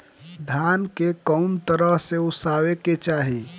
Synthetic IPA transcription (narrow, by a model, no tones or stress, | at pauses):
d̪ʱjankekəmt̪əɾəɦseusaweket͡ʃaɦi